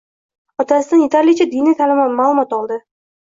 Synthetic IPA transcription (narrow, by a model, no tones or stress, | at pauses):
ɒt̪ʰasɪd̪anɪt̪ʰalʲˠijat͡ʃʰad̪init̪ʰalɪmmaːlˠʊmɒt̪ɒlˠd̪ɪ